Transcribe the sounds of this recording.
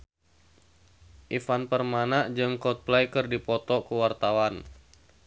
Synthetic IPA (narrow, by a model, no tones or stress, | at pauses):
ʔifanpərmanaʔd͡ʒɨŋkɔt̪̚plajkɨrdipɔt̪ɔkuwart̪awan